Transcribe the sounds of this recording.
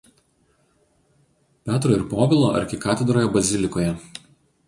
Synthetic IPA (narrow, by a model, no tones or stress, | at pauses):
pʲæːt̪ɾoːɪɾpoːbʲɪlˠoːʔɐ̰ɾʲkʲɪkɑːt̪ʲɛd̪ɾoːjɛbɐzʲɪlʲɪkoːjɛ